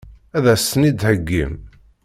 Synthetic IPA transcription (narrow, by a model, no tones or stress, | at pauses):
æðæsənid̪həɡːḭm